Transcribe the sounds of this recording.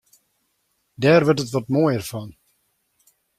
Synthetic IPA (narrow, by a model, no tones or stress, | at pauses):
dɛːrʋərtətʋɔtmojərfɔn